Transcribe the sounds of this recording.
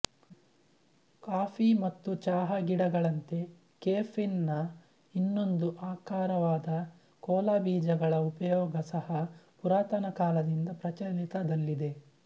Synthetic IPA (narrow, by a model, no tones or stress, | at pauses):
kaːpimɐt̪ːut͡ʃaːɦɐɡiɽɐɡɐɭɐnt̪e̞ | keːpʰinːɐ | inːo̞nd̪uʔaːkaːɾɐʋaːd̪ɐ | kɔːlaːbiːd͡ʒɐɡɐɭɐupɐjɔːɡɐsɐhɐpuɾaːt̪ɐnɐkaːlɐd̪ind̪ɐpɾɐt͡ʃɐlit̪ɐd̪ɐlːid̪e̞